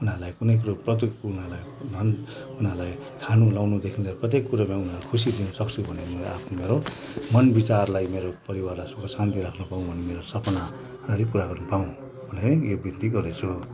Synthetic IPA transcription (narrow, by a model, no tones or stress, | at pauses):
unalajkunʌjk̬uɾoprʌt̪̬uknalaj | nʱʌn | unalaj | kʰanulawnud̪ekʰinleɾprʌt̪̬ekːuɾamãunalakʰusid̪inʌsʌk̚t͡sʰubʱʌnemʌa̰pʰnomeɾo | mʌnbit͡sarlajmeɾopʌɾiwarlasukʌsãnt̪iɾakʰnupaũbʱʌnemeɾosʌpna | ʌɾikuɾaɡʌrnupaũ | bʱʌneɾʌjobint̪iɡʌret͡sʰu